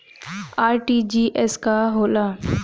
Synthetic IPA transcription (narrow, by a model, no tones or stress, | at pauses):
aːɾʈid͡ʒiːʔɛskaɦoːlaː